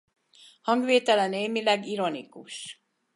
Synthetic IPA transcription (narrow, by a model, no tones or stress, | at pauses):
hɒŋɡʋeːt̪ɛlɛneːmilɛɡiɾo̞nḭkuʃ